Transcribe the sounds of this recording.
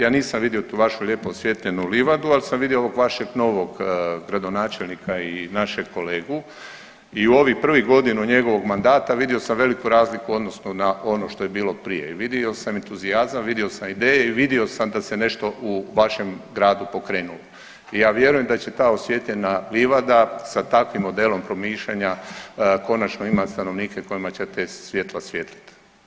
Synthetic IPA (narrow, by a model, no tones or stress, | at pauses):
jaːniːsamʋid̪io̞t̪uːʋaʃuʎʲe̞ːpoosʋje̞t̪ʎe̞nuliʋad̪ualisamʋid̪iooʋoɡʋaʃe̞ɡno̞ːʋo̞ɡɡɾad̪o̞naːt͡ʃelnikʰainaʃeɡko̞leːɡu | iuo̞ʋipr̩ʋiɡo̞d̪inuɲe̞ɡo̞ʋo̞ɡmand̪aːt̪aʋid̪io̞samʋe̞likuɾaːzlikuo̞d̪nosnunaʔo̞no̞ʃt̪o̞jebiːlˠo̞pɾije̞̰iʋid̪io̞sament̪uziazamʋid̪io̞samid̪eːjeiʋid̪io̞samd̪ase̞ne̞ʃt̪o̞ʔuʋaʃe̞mɡɾaːd̪upo̞kɾeːnulo | ijaːʋje̞ɾujemd̪at͡ɕe̞t̪aːosʋjeːt̪ʎenaliʋad̪asat̪akʋimːo̞d̪eːlo̞mpɾo̞miːʃʎaɲako̞nat͡ʃno̞imat̪st̪ano̞ʋniːkeko̞jimat͡ɕet̪esʋjet̪lasʋjeːt̪li̥t̪